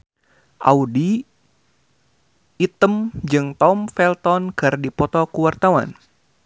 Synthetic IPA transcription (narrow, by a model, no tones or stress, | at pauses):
ʔa̰udi | t̪əmd͡ʒɨŋt̪ɔmfɛlt̪ɔnkardipɔt̪ɔkuwart̪awa̰n